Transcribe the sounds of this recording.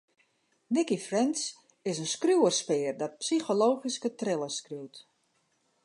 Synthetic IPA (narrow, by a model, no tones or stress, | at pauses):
nɪkifrɛns | ɪsənskruwərspɪːrdɔt̚psixoloːχiskətrɪlˠəskruwt